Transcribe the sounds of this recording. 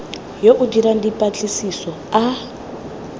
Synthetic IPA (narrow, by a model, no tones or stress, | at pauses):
joʔudiɾandipʼat͡ɬʼisisɔa